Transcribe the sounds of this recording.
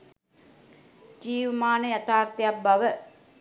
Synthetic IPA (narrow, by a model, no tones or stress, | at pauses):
d͡ʒiːʋəmaːnəjat̪aːrt̪ijap̚baʋə